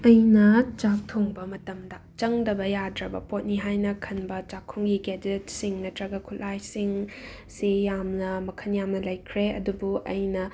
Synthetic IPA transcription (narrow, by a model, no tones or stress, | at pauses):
ɐjnɐt͡ʃak̚tʰoŋbɐmɐtɐmdɐt͡ʃɐŋdɐbɐjadɾɐbɐ̰pot̚niɦajnɐkʰɐnbɐt͡ʃakʰːuŋɡiɡed͡ʒet̚siŋnɐtɾɐɡɐkʰulajsiŋ | sijamnɐmɐkʰɐnjamnɐlɐjkʰɾeɐ̰dubuʔɐjnɐ